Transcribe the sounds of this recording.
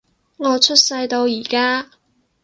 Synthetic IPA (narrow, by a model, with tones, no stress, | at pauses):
ŋɔː˨˧t͡ʃʰɵ˥t̚sɐ˧jt̪o˧wjiː˨˩kaː˥